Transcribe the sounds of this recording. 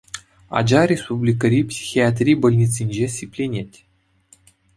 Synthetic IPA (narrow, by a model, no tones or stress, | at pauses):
ɑ̰d͡ʑɑɾʲespublʲik̬əɾʲipsʲi̥xʲiat̪̬ʲrʲijbŏlʲnʲit͡sʲinʲd͡ʑesʲipʲlʲenʲetʲ